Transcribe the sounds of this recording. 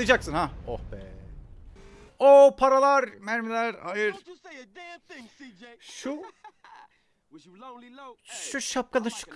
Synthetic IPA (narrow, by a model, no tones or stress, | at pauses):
id͡ʒaksɯnhaohbɛ̰ | opʰaɾalˠaɾmæɾmilʲæɾa̰jɯɾ | ʃu | ʃuʃap̚kad̪ɯʃu̥kʰ